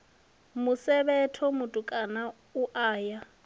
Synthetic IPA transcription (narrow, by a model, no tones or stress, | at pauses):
mʊsɛbɛtʰɔmʊtʼukʼana | uʔaːja